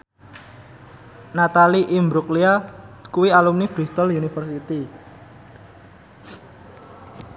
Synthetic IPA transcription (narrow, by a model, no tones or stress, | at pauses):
nat̪aliʔimbɾukliakuwialumnib̥ɾist̪ɔljunifərsit̪i